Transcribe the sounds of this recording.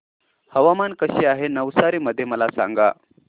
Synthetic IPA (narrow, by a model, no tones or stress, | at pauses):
həʋamankəɕiːaɦenəʋsaɾiːməd̪ʱːjeməlasa̰ŋɡa̰